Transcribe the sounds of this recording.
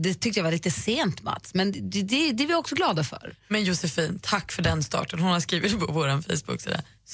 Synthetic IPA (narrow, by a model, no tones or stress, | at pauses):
d̪ɛt̪ʰʏk̚t̪əjavaliːt̪əseːnt̪ma̰t̪smɛnd̪ɛd̪ɛd̪ɛvɪɔksɔɡlɑːd̪afœ̰ɾmɛnjʊsɛfiːnt̪ʰakːfœɖɛnst̪ɑ̰ːʈənhʊnhaskɾiːvɪt̪pʰɔvoːɾanfɛ̰jsbɵ̰kːsḭːd̪a̰